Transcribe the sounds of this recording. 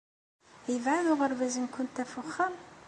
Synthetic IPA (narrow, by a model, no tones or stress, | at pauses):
jəvʕanʊʁəɾvæzinkʊnt̪æfʊχːəm